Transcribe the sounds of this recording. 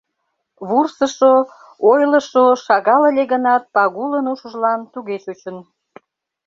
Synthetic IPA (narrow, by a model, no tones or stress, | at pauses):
βursəʃo | ojləʃoʃɑɣɑləlʲeɣənɑt̪̚pɑɣulənuʃə̆ʒlɑnt̪uɣeʃut͡ɕən